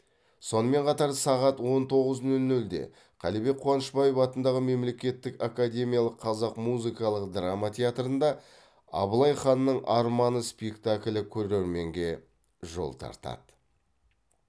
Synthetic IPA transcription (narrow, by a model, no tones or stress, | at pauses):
so̞nəme̞ɴqʰɑt̪ɑɾsɑʁɑt̪wo̞nt̪ʰo̞ʁəznɵlnɵld̪e̞̰ | qʰɑ̰libe̞k̚qʰʊwɑnəʃbɑjefɑt̪ənd̪ɑʁəme̞mle̞kʲe̞t̪ːɪkakad̪ʲe̞mʲijalˠəqʰːɑzɑqmuzɨkɑlˠəqd̪ramat̪ʲʰeat̪ɾənd̪ɑ | ɑ̰bəlˠɑjχɑnːəɴʔɑɾmɑnəspekt̪akʲlʲɪkʲʰɵɾeɾme̞ŋɡʲe̞ | ʒo̞̰lˠt̪ʰɑ̰ɾt̪ɑ̰d̪̥